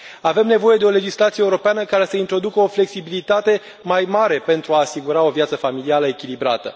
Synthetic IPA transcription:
ave̞mne̞vo̞je̞d̪e̞o̞le̞d͡ʒislat̪sijeuɾo̞peanəkaɾe̞səint̪ɾo̞d̪ukəo̞fle̞ksibilit̪at̪e̞ | majmaɾe̞pe̞nt̪ɾuaːsiɡuɾao̞vjat̪səfamilialəe̞kʲilibɾa̰t̪ə̰

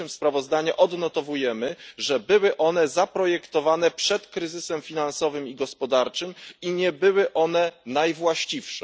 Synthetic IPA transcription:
ɘmspɾavɔzd̪aɲɛʔɔd̪nɔt̪ɔvujɛmɘʐɛbɘwɘʔɔn̪ɛzapɾɔjɛkt̪ɔvanɛpʂɛt̪kɾɘzɘsɛmfʲinansɔvɘmiɡɔspɔd̪aɾt͡ʂɘmiɲɛbɘwɘʔɔnɛnajvwaɕt͡ɕifʂɛ

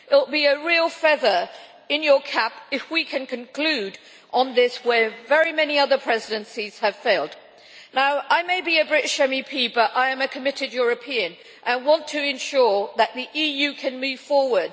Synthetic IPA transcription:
ʔɪl̩ˠbiɨɹilˠfɛðə˞ | ɪ̃njə˞kʰæpɨfwikʰɨ̃nkʰɨ̃nkʰl̥ʉɾ | ʔə̃n̩ðɪswə˞vɛɹimɛniʌðə˞pʰɹ̥ɛzɪdɨ̃nsiz̥ɨv̥feɪlˠdⁿ | naʊʔaɪmeɪbiɨbɹɪtɪʃɛmipʰibʌɾaɪɨ̃mɨkʰəmɪɾɨdjʊɹɨpʰiɨ̃n | ʔə̃wɑ̃ntʰɨɨ̃nʃʊɹðəʔ̪̚ðiʔijʉkʰɨ̃nmʉv̥fɔɹwə˞d̥̚

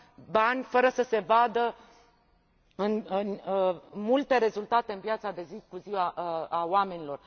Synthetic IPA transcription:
banʲfəɾəsəse̞vad̪ə | ɨnɨnmult̪e̞ɾe̞zult̪at̪eɨnvjat̪sad̪e̞zikuziwaaoame̞nʲilo̞r

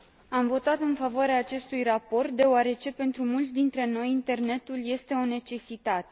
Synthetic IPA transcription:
amvo̞t̪at̪ɨnfavoaɾeaːt͡ʃe̞st̪ujrapo̞rt̪̚d̪e̞oaɾe̞t͡ʃe̞pe̞nt̪ɾumult̪sʲd̪int̪ɾe̞no̞jint̪e̞rne̞t̪ulje̞st̪e̞o̞ne̞t͡ʃe̞sit̪at̪e̞

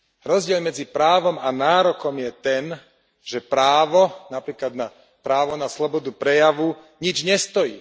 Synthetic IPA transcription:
ɾɔzɟɪɛlmɛd͡zipɾaːʋɔmanaːɾɔkɔmjɛt̪ɛn | ʒ̥ɛpɾaːʋɔnapɾiːklad̪na | pɾaːʋɔnaslɔbɔd̪upɾɛjaʋu | ɲid͡ʒɲɛst̪ɔjḭː

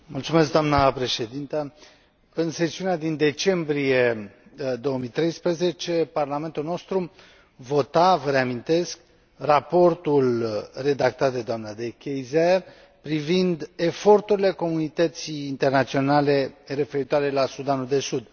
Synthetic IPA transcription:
mult̪sumeskd̪oamnəpɾe̞ʃe̞d̪int̪ə | ɨnse̞siunead̪ind̪e̞t͡ʃe̞mbɾijed̪o̞omijt̪ɾe̞jspɾəze̞t͡ʃe̞parlame̞nt̪ulnost̪ɾu | vo̞t̪avəɾeamint̪e̞sk | rapo̞rt̪ulre̞d̪ak̚t̪at̪̚d̪e̞d̪oamnad̪e̞kʲejze | pɾivind̪e̞fo̞rt̪uɾile̞ko̞munit̪ət̪siːnt̪e̞rnat̪sio̞nale̞re̞fe̞ɾit̪oaɾe̞lasud̪anud̪e̞sud̪

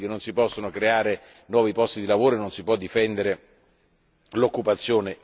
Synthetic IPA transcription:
kenːonsipɔsːonokɾeaːɾe | nwɔːvipɔst̪id̪ilavoːɾoenːonsipwɔd̪ːifɛnd̪eɾe | lokːupat̪sːjoːne

